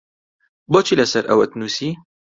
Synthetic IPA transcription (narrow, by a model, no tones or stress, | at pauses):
bɔt͡ʃilɐsɐɾʔɐ̰wɐt̪nuːsi